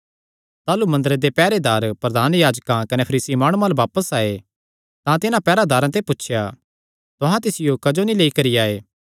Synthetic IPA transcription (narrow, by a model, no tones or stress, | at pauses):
t̪aːlumɐ̃nd̪əɾed̪epɛːɾed̪aːɾpɾɐd̪ʱaːnjaːd͡ʒkãkɐnepʰɐɾiːsimaːɽ̃ũãlaʋaːpəsaːe | t̪ãt̪ɪnãpɛːɾad̪ʱaːɾãt̪̬epʊtːʃʰja | t̪ʊɦãt̪ɪsɪjokɐd͡ʒonileːikɐɾiaːeː